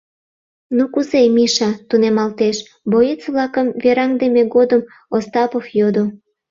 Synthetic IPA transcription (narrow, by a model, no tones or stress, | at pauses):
nukuzemiʃɑt̪unemɑlt̪eʃ | bojet͡sβlɑkəmveɾɑŋd̪emeɣod̪əm | ost̪ɑpofjod̪o